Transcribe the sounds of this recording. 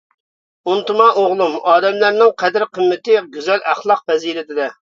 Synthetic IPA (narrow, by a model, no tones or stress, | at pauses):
unt̪umɑʔoʁlˠumɑːd̪ɛmlæɾnɪŋqʰɛd̪ɪɾqʰəmːɪt̪ɪɡʲyzɛlæχlˠɑq̚vɛziɾɪt̪ɪd̪ɛ